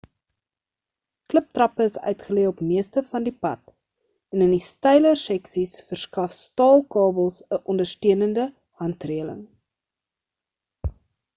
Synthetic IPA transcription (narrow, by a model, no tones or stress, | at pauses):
kləp̚trɐpəəsœ̰ɥtχəliəɔpmiəstəfɐndipɐt̚ | ɛnəndistɛjlərsɛksisfərskɐfstɑːlˠkɑːbəlˠsəʔɔndərstøənəndə | hɐntriələ̰ŋ